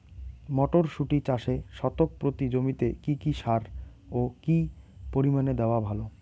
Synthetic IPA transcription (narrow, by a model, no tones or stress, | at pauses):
mɔʈoɾʃuʈit͡ɕaʃeʃɔt̪ok̚pɾot̪id͡ʑomit̪ekikiʃaɾ | okipoɾimaned̪eoabʱalo